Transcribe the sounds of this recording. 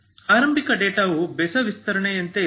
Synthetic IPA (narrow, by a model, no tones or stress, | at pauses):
aːɾɐmbʱikɐɖeːʈaːʋubɛsɐʋist̪ɐɾɐɳejɐnt̪e